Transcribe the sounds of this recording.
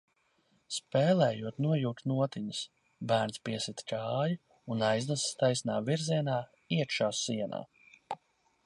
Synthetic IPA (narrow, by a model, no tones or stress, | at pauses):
spɛːlɛːjuɔt̪nuɔjuːt̪nuɔt̪iɲus | bæːɾnspiɛsit̪kʰaːju | unajznasi̥st̪ajsnaːviɾziɛnaː | iɛk̪ʃaːsːiɛna̰ː